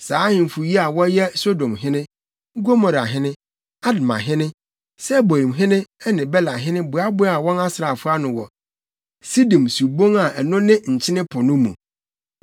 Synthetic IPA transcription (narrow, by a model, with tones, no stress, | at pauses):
saː˨˦hɪ̃˨m̩˨fu˨ji˦a˨wɔ˦jɛ˦so˦dõ˨mɦɪ̃˦nɪ̃˦ | ɡo˦mɔ˨ɾa˨ɦɪ̃˦nɪ̃˦ | a˦dmã̰˨ɦɪ̃˦nɪ̃˦ | sɛ˦bo˨ɾĩ˨mɦɪ̃˦nɪ̃˦ɛ˦nɪ̃˨bɛ˦la˨ɦɪ̃˦nɪ̃˦bʊ˨a˦bʊ˦a˨wɔ̃˦na˦sɾa˨fʊ˦a˦nʊ̃˨wɔ˨ | si˦dĩ˨msu˨bo˦ŋa˨ʔɛ˨nʊ̃˦nɪ̃˦ɲ̩˨t͡ɕʰɪ˦nɪ̃˦pʰʊ˨nʊ̃˦mṵ̃˨